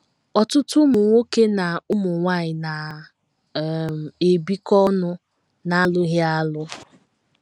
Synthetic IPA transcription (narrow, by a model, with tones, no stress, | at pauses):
ɔ˨tʊ˦tʊ˦mʊ˨ŋʷo˦ke˦na˨ʊ˦mʊ˨ŋʷa˦˨ɲɪ˨na˨˦˨ | m˨e˨bi˦kɔ˦nʊ˦ | na˦a˦lʊ˦ɣja˦lʊ˦